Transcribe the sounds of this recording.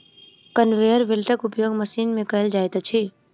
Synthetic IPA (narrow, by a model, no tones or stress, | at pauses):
kənʋeːjəɾʋɪlʈəkʊpjoːɡməsiːnmẽkɐɦɪld͡ʒaːet̪at͡ʃʰi